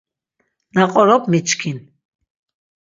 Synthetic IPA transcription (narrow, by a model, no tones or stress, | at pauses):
naqʼɔɾɔpmit͡ʃkʰin